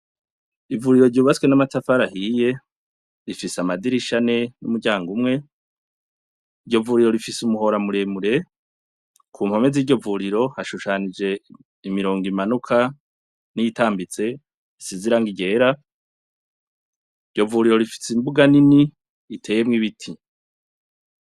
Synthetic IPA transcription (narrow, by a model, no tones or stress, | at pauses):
ivuɾiɾo̞ɾɟuːβat͡skwenamatafaɾahije̞ | ɾifisamadiɾiʃane̞numuɾɟaːŋɡumŋe̞ | iɾɟo̞vuɾiɾo̞ɾifisumuɦo̞ɾamuɾemuɾe̞ | kʰuːm̥ho̞me̞ziːɾɟo̞vuɾiɾo̞haʃuʃanid͡ʒe̞ | imiɾo̞ːŋɡimanukʰa | nijitaːmbit͡se̞ | siziɾaŋɡiɟe̞ːɾa | iɟo̞vuɾiɾo̞ɾifi̥simbuɡanini | itʰe̞ːjemŋiβitʰi